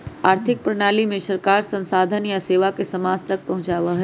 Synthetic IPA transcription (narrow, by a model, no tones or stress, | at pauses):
aːɾt̪ʰɪk̚pɾɐɽ̃aːlimẽʃɐɾkaːɾsɐ̃nsaːd̪ʱənjaseːʋakesɐmaːd͡zt̪ɐk̚pɐɦʊ̃t͡ʃaːʋaɦɛ